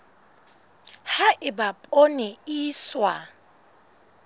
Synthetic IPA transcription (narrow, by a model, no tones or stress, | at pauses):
haʔɪbapʼonɪiːswa